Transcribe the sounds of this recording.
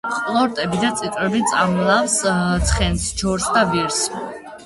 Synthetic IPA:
χʼlˠɔɾt̪ʼɛbid̪at̪sʼit̪ʼɾɛbit̪sʼamlˠafst̪sʰχɛnsd͡ʒɔɾsd̪aviɾs

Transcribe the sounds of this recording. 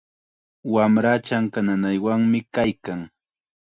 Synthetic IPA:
wamɾat͡ʃaŋkananajwaŋmɪkajkaŋ

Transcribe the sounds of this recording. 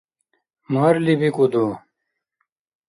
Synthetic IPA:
maːɾlibikud̪u

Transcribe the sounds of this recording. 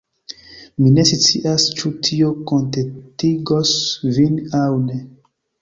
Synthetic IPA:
mine̞sit͡siʔast͡ʃutʰiokontetiɡosvinawne

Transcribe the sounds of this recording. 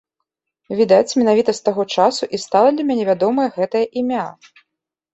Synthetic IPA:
vʲid̪at͡sʲmʲɛnavʲit̪ɐst̪aɣɔt͡ʂasuʔist̪alˠɐd̪lʲɐmʲænʲɛvʲad̪ɔmɐjɐɣɛt̪ɐjɐʔimʲa

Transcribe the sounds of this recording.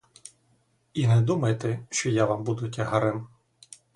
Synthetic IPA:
inɛd̪umɐjet̪ɛʃt͡ʃɔjaʋambud̪ʊtʲɐɦɐɾɪm

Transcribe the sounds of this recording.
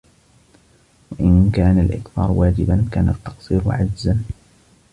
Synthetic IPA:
waʔɪnkaːnalʔɪkθɑ̰ːɾwaːd͡ʒɪbankaːnat̪ːɑ̥qsˤiːɾ̰ʕad͡ʒzan

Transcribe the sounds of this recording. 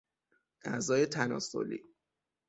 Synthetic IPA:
ʔæzɒːje̞t̪ʰænɒ̰ːso̰lḭː

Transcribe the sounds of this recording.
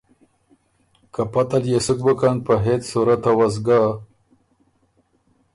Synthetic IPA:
kapat̪aljesuk̚bəkanpəɦet̪suɾat̪awaz̬ɡa

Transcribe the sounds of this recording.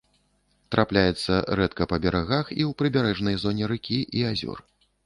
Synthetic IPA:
t̪ɾaplʲajɛt̪sːɐɾɛt̪kɐpɐbʲɛɾaɣaxiwpɾɨbʲaɾɛʐnɐjzɔnʲɛɾɨkʲiʔiazʲɔ̰r

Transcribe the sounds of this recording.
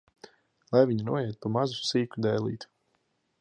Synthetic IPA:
lˠajviɲinuɔjɛt̪̚pumazusiːkʲud̪ɛjlˠḭːt̪

